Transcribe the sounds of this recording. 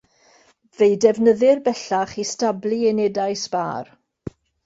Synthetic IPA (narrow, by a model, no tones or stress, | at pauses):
vejdɛvnəðɪrbɛɬaχistabliɛnɛdajsb̥a̰ːr